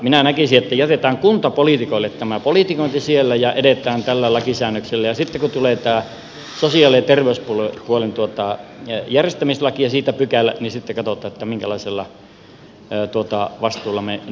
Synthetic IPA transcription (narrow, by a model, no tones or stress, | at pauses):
minænækisiet̪ːæjæt̪et̪æːŋkunt̪ɑpolit̪ikoilːet̪t̪æmæpolit̪ikoˑint̪isielːæjɑʔedet̪ˑæːnt̪ælːælɑkisæːnːøkselːæjɑsit̪ːekut̪uleˑt̪æː | sosiɑːlet̪erʋeyspulopuolent̪uot̪ɑjærjest̪æmislɑkiɑsiːt̪æpykælːæ̰nisit̪ːekɑt̪ot̪ˑɑːet̪ːæmiŋkælɑiselːɑ | t̪uot̪ɑʋɑst̪uːlːˑɑme